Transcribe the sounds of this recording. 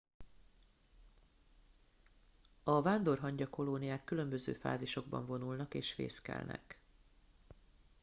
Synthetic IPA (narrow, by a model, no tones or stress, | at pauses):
ɒvaːnd̪o̞rɦɒɲɟɒko̞lonijaːkːylø̞mbø̞zø̰ːfa̰ːziʃo̞ɡ̚bɒ̰ɱvo̞nulnɒkeːʃfḛːskɛ̰lnɛ̰k